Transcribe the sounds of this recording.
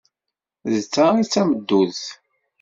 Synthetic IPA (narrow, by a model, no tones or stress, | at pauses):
ðt͡sːait͡sːæməd̪ːuðθ